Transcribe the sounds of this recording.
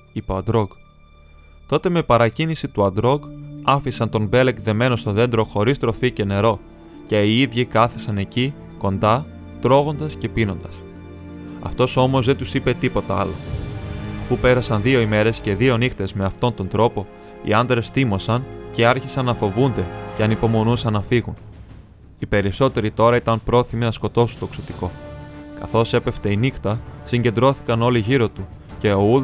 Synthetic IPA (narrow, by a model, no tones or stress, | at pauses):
ipoɐnd̪ɾo̞ɡ | t̪o̞t̪e̞me̞pɐɾɐcinisit̪uɐnd̪ɾo̞ɡɐfisɐnt̪o̞nbe̞lekðe̞me̞no̞st̪o̞ðe̞nd̪ɾo̞xo̞ɾist̪ɾo̞fice̞ne̞ɾo̞ | ceiiðʝikɐθesɐne̞ci | ko̞nd̪ɐ | t̪ɾo̞ɣo̞nd̪ɐsce̞pino̞nd̪ɐs | ɐ̰ft̪o̞so̞mo̞zðe̞nt̪usipe̞t̪ipo̞t̪ɐɐlo̞̰ | ɐfupe̞ɾɐsɐnðio̞ime̞ɾe̞sce̞ðio̞nixt̪e̞zme̞ɐft̪o̞nt̪o̞nd̪ɾo̞po̞ | ḭɐnd̪ɾe̞sθimo̞sɐnce̞ɐɾçisɐnːɐfo̞vund̪e̞ce̞ɐnipo̞mo̞nusɐnːɐfiɣun | ipe̞ɾiso̞t̪e̞ɾit̪o̞ɾɐit̪ɐnpɾo̞θiminɐsko̞t̪o̞sunt̪oksot̪iko̞kɐ̰θo̞se̞pe̞ft̪e̞inixt̪ɐsiɲɟe̞nd̪ɾo̞θi̥kɐno̞liʝiɾo̞t̪u | ce̞ou